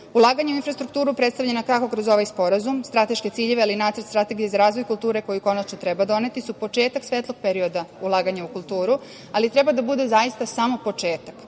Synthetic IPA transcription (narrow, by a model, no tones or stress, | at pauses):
ulˠaːɡaɲauinfɾast̪ɾukt̪uːɾupɾet̪st̪aʋlʎenokako̞kɾo̞zo̞ʋajspo̞ɾazumst̪ɾat̪e̞ʃke̞t̪siːʎeʋealinaːt̪sɾt̪st̪ɾat̪e̞ɡijezaɾaːzʋo̞jkult̪uːɾeko̞juko̞nat͡ʃnot̪ɾɛbad̪o̞ne̞t̪isupo̞t͡ʃeːt̪aksʋeːt̪lˠo̞ɡ̥̚peɾio̞d̪aulˠaːɡaɲaukulˠt̪uːɾu | alit̪ɾɛbad̪abud̪e̞zaist̪asamo̞po̞t͡ʃeːt̪ḁk